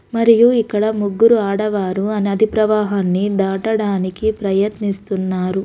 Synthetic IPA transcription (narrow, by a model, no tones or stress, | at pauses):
mɐɾijuikːɐɽɐmuɡːuɾuaːɽɐʋaːɾuɐniɐd̪ʱipɾɐʋaːɦaːnːid̪aːʈɐɽaːnikipɾɐjɐt̪nist̪unːaːɾu